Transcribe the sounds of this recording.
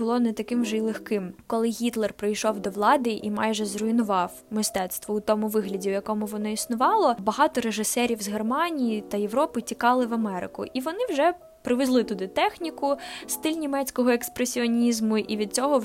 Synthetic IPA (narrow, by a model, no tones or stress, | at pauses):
ʊlˠɔnɛt̪ɐkɪmʒɛilˠexkɪmkɔlˠɪɣʲit̪lˠɛrpɾɪjʃɔwd̪ɔʋlˠɑd̪ɪʔimɑjʒɛzrʊinʊʋɑw | mɪst̪ɛt̪st̪ʋɔut̪ɔmʊʋɪɦlʲɐdʲiwjɐkɔmʊʋɔnɔisnʊʋɑlˠɔbɐɦɑt̪ɔɾeʒɪsɛɾʲiwzɦermɑnʲijit̪ɐje̞ʋɾɔpɪtʲikɑlˠɪʋɐmɛɾɪ̰kʊ̰ʔiʋɔnɪwʒɛ | pɾɪʋezlˠɪt̪ʊd̪ɪt̪ɛxnʲikʊst̪ɪlʲnʲimɛt͡sʲkɔɦɔekspɾesʲiɔnʲizmʊʔiʋʲid̪̚t͡sʲɔɦɔ